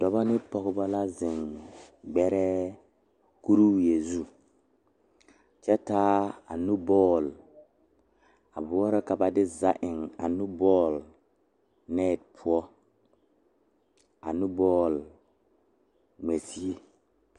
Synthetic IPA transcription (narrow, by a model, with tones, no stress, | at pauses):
dɔ˨ba˦nɪ˦pɔ˨ɣɪ˦ba˦la˦zɪ˨ŋɡ͡bɛ˦ɾɛ˦ | ku˦ɾuː˦je˨zu˦ | t͡ʃɛ˦taː˦a̰˨nu˦bɔː˦˨l | a̰˨bʊ˦ɔ˦ɾɛ˦ka˨ba˨dɪ˦za˦ʔɪ˨ŋa̰˨nu˦bɔː˦˨l | nɛː˦˨t̚pʰʊ˦ɔ˦ | a̰˨nu˦bɔː˦˨l | me˨si˦e˨